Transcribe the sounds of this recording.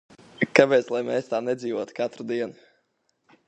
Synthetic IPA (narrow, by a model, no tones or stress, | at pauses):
kapɛːt̪slˠajmɛːst̪aːnɛd̪ziːvuɔt̪kat̪ɾud̪iɛnu